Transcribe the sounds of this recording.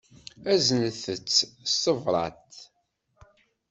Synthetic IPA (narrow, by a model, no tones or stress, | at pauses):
æznəθət͡sːstəvɾˤɑ̰t̪